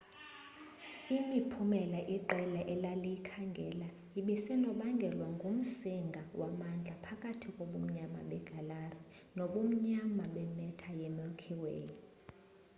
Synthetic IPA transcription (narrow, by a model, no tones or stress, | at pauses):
imipʰumɛlaʔiǃɛlaʔɛlalijkʰaŋɡʱɛla | iɓisɛnɔɓaŋɡʱɛlwaŋɡʱum̩siŋɡʱawamand͡ɮʱapʰakʼatʰikʼoɓum̩ɲama̰ɓɛɡ̥ʱalari | noɓum̩ɲamaɓɛmɛtʰajemilkʰiwḛːji